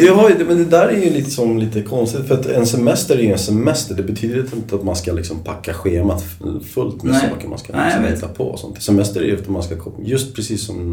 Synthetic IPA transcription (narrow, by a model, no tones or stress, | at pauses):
d̪ɛɦaɾjd̪mɛnd̪ɛd̪æːɾæɾjɵliːt̪ə̥sɔmliːt̪əkʰɔnst̪ɪt̪fœɾat̪ɛnsɛmɛst̪əɾæjʉɛnsɛmɛst̪əɖɛbɛt̪ʰyːd̪əɾɪnt̪ɪnt̪əat̪manskalɪksɔmpʰakːaɧeːmat̪ | fɵlt̪mɛsɑ̰ːkəma̰nskalɪksɔmhɛːt̪ːapʰɔ̰sɔ̰nt̪sɛmɛst̪əɾæ̰jt̪manskakʰɔjɵst̪pʰɾɛsiːsːɔm